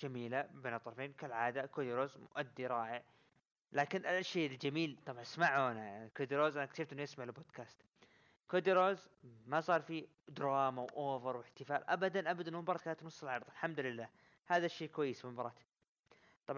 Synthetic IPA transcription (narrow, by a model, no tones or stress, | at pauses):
d͡ʒamiːlabeːnɑt̪ˤːɑɾˤɑfeːnkalʕaːd̪akod̪ɾoːzmʊ̰ʔad̪ːiɾˤɑːʔɪʕ | laːkɪnʔalʃeːʔld͡ʒamiːlt̪ˤɑbʕɑnsmaʕuanakod̪iɾoːzʔanakʃɪft̪ʔɪnːjɪsmaʕlboːd̪kaːst̪ | kod̪iɾoːz | masˤɑːɾˤfi | d̪ɾˤɑːmawʔoːvɪɾwɪħt̪ɪfaːlʔa̰bad̪anʔabad̪ʔɪnːmɪmbɑɾˤɑt̪kaːnt̪nʊsˤːɪlʕɑɾˤðˤalħamd̪lɪlːaː | haːðaʃːeːkwajːɪsmɪmbɑɾˤɑt̪ | t̪ˤɑb